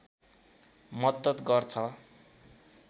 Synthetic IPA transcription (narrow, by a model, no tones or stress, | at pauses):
mʌd̪ːʌt̪ɡʌrt͡sʰʌ